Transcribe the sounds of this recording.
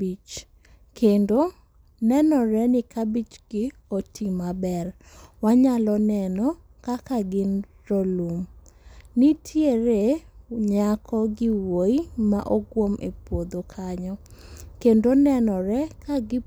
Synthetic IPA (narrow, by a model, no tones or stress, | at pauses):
it͡ʃ | kendo | nɛnɔɾɛnɪkabit͡ʃɡɪotʰimabɛr | waɲalɔnɛnɔ | kakaɡɪnɾolum | nitʰjeɾeɲakɔɡɪwoima̰ʔoɡwomḛpwod̪okʰaɲɔkendonɛnɔɾɛkaɡɪ